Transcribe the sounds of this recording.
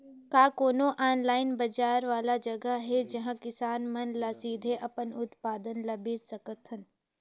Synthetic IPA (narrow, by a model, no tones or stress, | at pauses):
kaːkoːnoʔaːnlaːɪnbɐd͡ʒaːɾʋaːlad͡ʒɐɡəɦɛd͡ʒɐɦãkɪsaːnmɐnlasiːd̪ʱeʔɐpənʊt̪paːd̪ənlabeːt̪sɐkət̪ɦən